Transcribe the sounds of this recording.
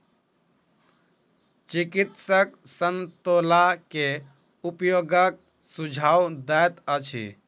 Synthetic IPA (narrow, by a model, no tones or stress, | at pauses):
t͡ʃikit̪səksənt̪olake | upjoɡək̚ | sud͡ʒʱawd̪ɛjt̪ət͡ʃʰḭ